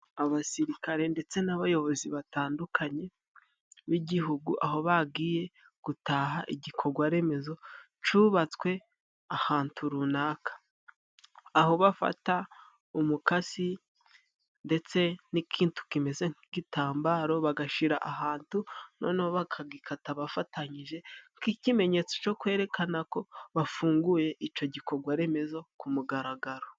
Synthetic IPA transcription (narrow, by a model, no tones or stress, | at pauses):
aβasiɾikaɾe̞nde̞t͡se̞naβajo̞βo̞ziβataːndukʰaɲe̞ | βiɟiɦuɡuʔaɦo̞βaɡiːje̞ | ɡ̥utaɦaʔiɟikʰo̞ɡwaɾe̞me̞zo̞ | t͡ʃuβat͡swe̞ | ahaːntʰuɾunaːkʰḁ | ɦo̞βafa̰ta | umukasi | nde̞t͡se̞nikʰiːntu̥kime̞ze̞ŋiɡitaːmbaɾo̞βaɡaʃiɾa̰ʔaɦaːntuno̞̰nihoβakʰaɡikʰataβafataɲiʒe̞ŋkicime̞ɲe̞t͡so̥t͡ʃo̞kwe̞ːɾe̞kanako̞βafuːŋɡuje̞ʔit͡ʃo̞ɟiko̞ɡwaɾe̞me̞zo̞kumuɡaɾaɡaɾo̞